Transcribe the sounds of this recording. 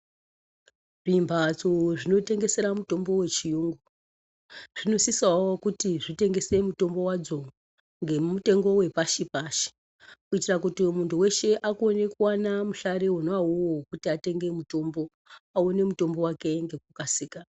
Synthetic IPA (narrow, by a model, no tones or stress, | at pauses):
ʐimbʱad͡zoʐino̞te̞ŋɡe̞se̞ɾamuto̞mbo̞we̞t͡ʃijuːŋɡu | ʐ̥ino̞sisawokutiʐite̞ŋɡe̞se̞muto̞mbo̞wad͡zo̞ | ŋɡe̞mute̞ŋɡo̞we̞paʃipaʃi̥ | kuitirakutimuntʰuwe̞ʃe̞ʔakone̞kuwanamuɬaɾewonoauwokutiate̞ŋɡe̞muto̞mbo̞ | aone̞muto̞mbo̞wake̞ŋɡe̞k̚ukasiːka